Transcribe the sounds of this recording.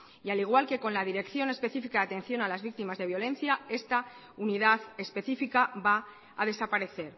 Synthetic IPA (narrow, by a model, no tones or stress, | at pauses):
ialiɣ̞walke̞ko̞nlað̞iɾe̞kθjo̞ne̞spe̞θifikaðat̪e̞nθjo̞nalazβik̚t̪imazðe̞β̞jo̞lẽ̞nθjae̞st̪a | uniðaθe̞spe̞θifikaba | aðe̞sapaɾe̞θe̞ɾ